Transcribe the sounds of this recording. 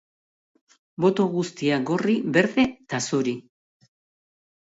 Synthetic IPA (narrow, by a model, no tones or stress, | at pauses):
bo̞t̪o̞ɣust̪iaɡo̞riβe̞ɾðe̞t̪asuɾi